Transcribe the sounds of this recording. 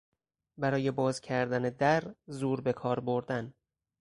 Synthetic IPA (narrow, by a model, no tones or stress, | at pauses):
bæɾɒːje̞bɒːzcʰæɾd̪æned̪æɾzuːɾbe̞kʰɒːɾboɾd̪æn